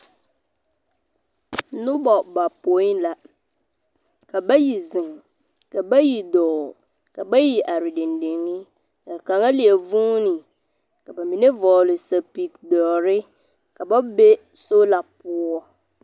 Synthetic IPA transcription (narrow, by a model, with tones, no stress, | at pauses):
nʊ̃˦bɔ˨ba˨po˨˦nla˨ | kʰa˨ba˦ji˨zɪ̃˨ŋ | ka˨bæ˦ji˨dɔː˨ | ka˨ba˦ji˨ʔa˨ɾi˨dɪ̃˨ndẽ˨ŋɪ̃˦ | ka˨kã˨ŋa˦li˨e˨vũ˦nĩ˨ | ka˨ba˨mĩ˨nẽ˦vɔ˨lɪ˨sa˨pi˨k̚dɔ˨ɾɪ˦ | ka˨ba˦be˦ | so˦la˨pʰʊ˦ɔ˦